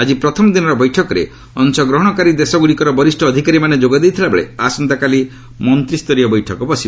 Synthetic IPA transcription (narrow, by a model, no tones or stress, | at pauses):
ad͡ʒipɾɔt̪ʰɔmɔd̪inɔɾɔbɔjʈʰɔkɔɾḛ | ɔnsɔɡɾɔɦɔɽ̃ɔkaɾid̪esɔɡuɽikɔɾɔbɔɾisʈʰɔːd̪ʱikaɾimaned͡ʒoɡad̪ejt̪ʰilabeɭḛasɔnt̪akali | mɔnt̪ɾist̪ɔɾijɔbɔjʈʰɔkɔbɔsiba